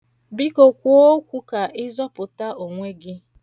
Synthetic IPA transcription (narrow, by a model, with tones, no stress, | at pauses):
bi˦ko˨kʷu˦o˦kʷu˦ka˨ʔɪ˦zɔ˦pʊ˨ta˦o˨ŋʷe˦ɡɪ˦